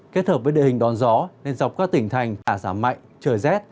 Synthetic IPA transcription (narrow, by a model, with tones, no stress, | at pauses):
ke˦˥t̚həː˨˩vəː˨˦jɗḭ˧˨hï˨˩ŋ̟ɗɔ˨˦nzɔ˨˦ne˧nza˨˩wp̚kaː˦˥k̚t̪ï˧˩ŋ̟t̪ʰa˨˩jŋ̟t̪aː˧˩zaː˧˩ma̰˧˨jŋt͡ɕəː˧˩jzɛ˦˥t̚